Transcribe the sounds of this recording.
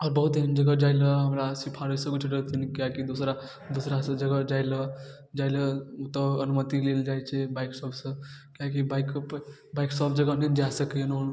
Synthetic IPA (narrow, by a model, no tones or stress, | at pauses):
ɔɾbəɦut̪ːnd͡ʒəɡəd͡ʒajləɦəmɾasipʰaɾəsə̃kut͡ʃʰɾəɦt̪inkakid̪osɾa | d̪osɾasə̃d͡ʒəɡəd͡ʒajlə | d͡ʒajləut̪əənumət̪ileld͡ʒajt͡ʃʰɛbaiksəbsə̃kakibajkpbaiksəpʰd͡ʒəɡənend͡ʒasəkenon